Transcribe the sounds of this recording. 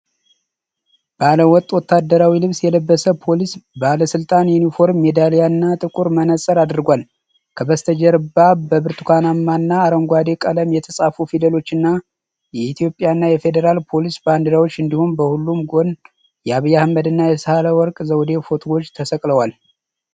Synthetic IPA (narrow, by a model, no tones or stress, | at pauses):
b̥əaləwɔt̪ʼwɔt̪ʰːad̪ːəɾawilɨβsjɛləbːəsəpʰo̞lisbaləsɨlt̪ʼanjunifo̞ɾmːed̪alijaɨnːat̪ʼɨkʼuɾmənəsʼəɾad̪ɾɡʷal | kʰəbəst̪ʰəd͡ʒɛɾbabəbɨɾt̪ʰukʰʷanamːanːaːɾəŋɡʷad̪e̞kʼələmjɛt̪ʰəsʼafufid̪əlo̞t͡ʃːɨnːa | jɛit̪ʰjo̞pʼjanːajɛfe̞d̪əɾalpʰo̞lisband̪ɨɾawot͡ʃːɨnd̪ihunbəhulːumɡo̞n | jɛaβijahmːəd̪ɨnːajɛsəhaləwɔɾkʼzəwd̪e̞fo̞t̪ʰɡo̞t͡ʃːt̪ʰəsəkʼləwal